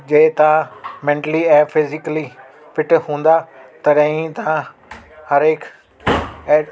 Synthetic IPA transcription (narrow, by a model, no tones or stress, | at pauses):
d͡ʒeːt̪ãmɛ̃ːɳʈəliɛ̃ːpʰɪzɪkli | pɪʈɦũːnd̪aːt̪ɐɾɛ̃ːĩt̪ã | həɾeːkʰː